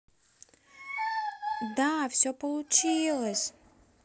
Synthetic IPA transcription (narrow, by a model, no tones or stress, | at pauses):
d̪afsʲopəlˠʊt͡ɕilˠəsʲ